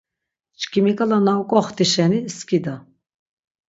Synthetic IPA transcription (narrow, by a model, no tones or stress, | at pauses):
t͡ʃkʰʼimikʼalanawkʼɔχt̪iʃɛniskʼid̪a